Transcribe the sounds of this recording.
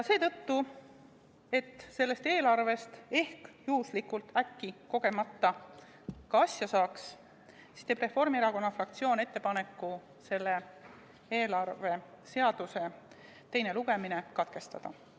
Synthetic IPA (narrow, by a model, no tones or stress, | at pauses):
jɑse̞ːt̪ɤ̞t̪ːu | e̞t̪ːse̞lːe̞st̪e̞ːlɑrve̞st̪e̞hkjuːslikult̪ækːiko̞ɡ̥e̞mɑt̪ːɑ | kɑɑsjɑsɑːks | si̥st̪ebre̞fo̞rmieɾɑko̞nːɑfrɑk̚t̪sio̞ːne̞t̪ːe̞pɑne̞kːˑu | se̞lːe̞ | eːlɑrve̞ | se̞ɑd̪̥use̞ | t̪e̞jne̞luɡ̥e̞mine̞kɑt̪ke̞st̪ɑd̪̥ɑ̰